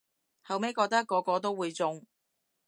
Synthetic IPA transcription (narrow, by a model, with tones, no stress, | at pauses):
hɐ˨wme˨˥jkɔː˧k̚t̪ɐ˥kːɔː˨˧kɔː˨˧t̪o˥wuː˨˧jt͡sʊ˧ŋ